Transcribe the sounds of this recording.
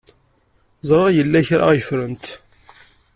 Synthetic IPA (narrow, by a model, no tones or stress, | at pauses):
zˤɾˤəʁjəlːæçɾa̰ʁjəfɾənt̪